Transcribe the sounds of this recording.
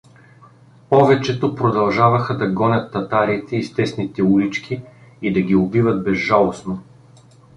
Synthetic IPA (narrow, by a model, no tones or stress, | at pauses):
pɔvɛt͡ʃɛt̪opɾod̪ɐlˠʒavɐxɐd̪ɐɡɔnʲɐt̪ːɐt̪aɾit̪ɛist̪ɛsnit̪ɛulit͡ʃkʲiid̪ɐɡʲiobivɐt̪̚bɛzʒalˠosno